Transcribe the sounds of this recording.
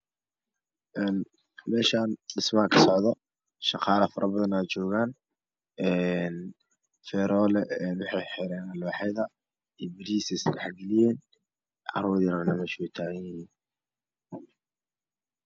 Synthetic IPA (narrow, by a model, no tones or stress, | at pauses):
ʔɛːn | mɛːʃaːndɪsmakʰɐ̥sɔʕðɔ | ʃɑqɑːlɐfɐɾʔɐbɐðɐnaːt͡ʃɔːɣaːn | ɛːn | fɛːɾɔːlɛɛːnwɑħɑjħɪɾɛːnlɔːħɛjðɐ | iːbɪɾiːsɪswaħɡɐlɪjɛːn | ʕɑ̰ɾuːðjɪɾɐnɐmɛːʃwɛjt̪ʰaːɣɐnjɪhiːn